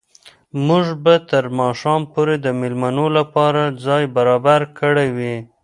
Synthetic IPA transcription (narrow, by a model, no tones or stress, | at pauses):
muʒbat̪əɾmɑʃɑmpoɾed̪əmɪlmanolapɑɾad͡zɑjbaɾɑbaɾkəɽewi